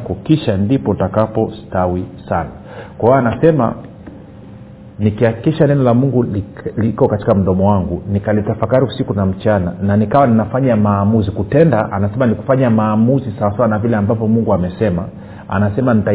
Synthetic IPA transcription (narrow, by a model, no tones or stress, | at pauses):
kɔkiʃandipɔntakapɔstawisana | kwahɔanasɛma̰ | nikiakikiʃanɛnɔlamuŋɡulikɔkati̥kam̩ɗɔmɔwaŋɡunikalitafakaɾiusikunam̩t͡ʃanananikawaninafaɲamaːmuzikutɛndaʔa̰nasɛmaniku̥faɲamaːmuzisawasawanavilɛambavjɔmuŋɡuamɛsɛma | a̰nasɛmanita